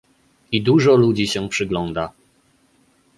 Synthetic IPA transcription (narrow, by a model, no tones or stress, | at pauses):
id̪uʐɔlud͡ʑiɕɛpʂɘɡlɔnd̪a